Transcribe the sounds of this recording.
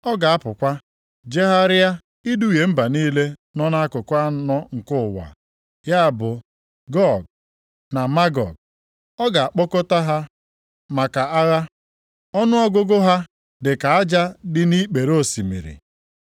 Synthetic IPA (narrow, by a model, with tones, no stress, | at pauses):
ɔ˦ɡa˨a˦pʊ˨kʷa˦ | d͡ʒe˦ɦa˦ɾɪ˦a˦ | i˦du˦˨je˨m̩˦ba˨niː˦le˦nɔ˦na˦a˦kʊ˨kʷa˦nɔ˦ŋ̩˨kʊ˦˨wa̰˨ | ja˦a˨bʊ˨ | ɡɔ˦˨ɡ̚ | na˨ma˦ɡɔ̰˨ɡ̚ | ɔ˦ɡa˨a˨k͡pʊ˦kʊ˦ta˦ɦa˦ | ma˨ka˨a˦ɣa˦ | ɔ˦nʊ˦ɔ˦ɡʊ˦ɡʊ˦ɦa˦ | dɪ˨ka˨a˦d͡ʒa˦dɪ˦ni˦k͡pe˨ɾo˦˨si˨mḭ˨ɾḭ˨